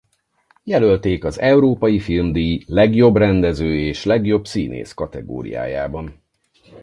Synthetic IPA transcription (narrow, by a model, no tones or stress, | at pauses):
jɛlø̞lt̪eːkɒzɛuɾoːpɒjifilmd̪ilɛɡjo̞brɛnd̪ɛzøːeːʃlɛɡjo̞bsḭːnḛːskɒt̪ɛɡo̰ːɾḭja̰ːja̰ːbɒn